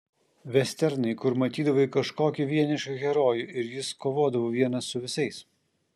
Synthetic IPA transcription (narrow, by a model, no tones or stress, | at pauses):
ʋʲɛsʲt̪ʲɛɾnɐɪkʊɾmɐt̪ʲiːd̪ɐʋoikɐʃkoːkʲɪʋʲiɛnʲɪʃʲkʲɐɣʲɛɾoːjuɪɾjɪskoːʋoːd̪ɐʋoːʋʲiɛnɐsːʊʋʲɪsɐɪs